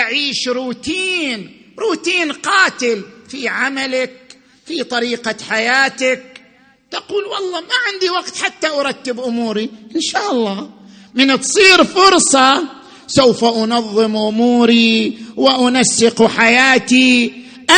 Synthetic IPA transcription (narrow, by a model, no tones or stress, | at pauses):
ʔaʕiːʃɾuːt̪iːn | ɾuːt̪iːnqɑːt̪ɪlfiʕamalak̚ | fit̪ˤɑɾiːqaħajaːt̪ak̚ | t̪aquːlwɑlˤːɑːmaʕɪnd̪iwaɡt̪ħat̪ːaʔaɾˤɑt̪ːɪbʔʊmuːɾiʔɪnʃaːʔɑlˤːɑː | mɪnt̪sˤiːɾfʊɾsˤɑ | sawfaʔʊnɑðˤːɨmʔʊmuːɾiwɪʔʊnasːɪquħajaːt̪i | ʔa